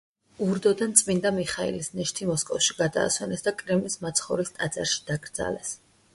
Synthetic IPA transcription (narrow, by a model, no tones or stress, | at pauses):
uɾd̪ɔd̪ant̪sʼmind̪amiχaḭlisnɛʃt̪ʰimɔskʼɔfʃiɡad̪a̰ːswɛnɛsd̪akʼɾɛmlismat̪sʰχɔɾist̪ʼad̪zʼa̰ɾʃi̥d̪̥aɡɾd̪za̰lɛs